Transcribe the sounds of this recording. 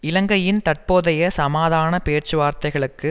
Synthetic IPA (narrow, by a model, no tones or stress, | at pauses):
ɪlɐŋɡɐjɪnt̪ɐʈ̚poːðɐjɐsɐmaːðaːnɐpeːʈt͡ʃɯʋaːɾt̪ɐɪɣɐɭɯkːɯ